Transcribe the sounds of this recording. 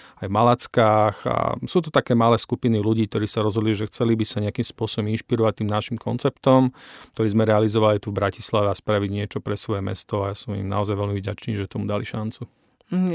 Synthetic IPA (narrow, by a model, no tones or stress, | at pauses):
ajvmalat͡skaːxa̰suːt̪ut̪akɛːmalɛːskupiniluɟiːk̚t̪ɔɾiːsaɾɔzɦɔd̪liʒɛxt͡sɛlibisaɲɛakiːmspʊɔsɔbɔminʃpiɾɔʋac̚t̪iːmnaʃimkʰɔ̰nt͡sɛpt̪ɔmk̚t̪ɔɾiːzmɛɾɛalizɔʋalit̪uvbɾaci̥slaʋɛaspɾaʋiɟɲɪɛt͡ʃɔpɾɛsʋɔjɛmɛ̰st̪ɔajasɔmḭmna̰ɔzajʋɛlmivɟat͡ʃniːʒɛt̪ɔmud̪aliʃant͡su